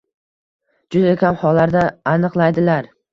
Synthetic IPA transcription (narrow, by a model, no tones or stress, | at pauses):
d͡ʒʊd̪akʲʰamhɒlːaɾd̪aːnɨqlˠajd̪ɪlaɾ